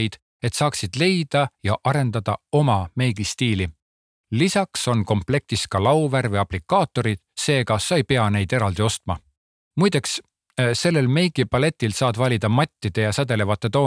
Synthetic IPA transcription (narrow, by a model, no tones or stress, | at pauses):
jd̪̥ | e̞t̪sɑːksid̪̥le̞jd̪̥ɑjɑʔɑɾe̞nd̪̥ɑd̪̥ɑo̞mɑme̞jɡ̥ist̪iːli | lisɑkso̞nko̞mple̞k̚t̪is̚kɑlɑwvæɾvɨjɑplikːˑɑːt̪ːˑo̞ɾid̪̥se̞ːɡɑsɑjpe̞ɑne̞jd̪̥e̞ɾɑld̪io̞st̪mɑ | mujd̪eks | se̞lːe̞lme̞jɡ̥ipɑle̞t̪ːˑilsɑːd̪vɑlʲid̪̥ɑmɑt̪ʲˑːid̪̥e̞jɑsæd̪e̞le̞vɑt̪ːˑe̞t̪o̞ː